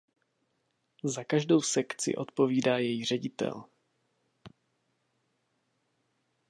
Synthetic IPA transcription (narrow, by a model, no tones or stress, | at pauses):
zakaʒdo̞wsɛkt͡sɪ̰ʔo̞t̪po̞viːdaːjɛjiːr̝ɛɟɪt̪ɛ̰l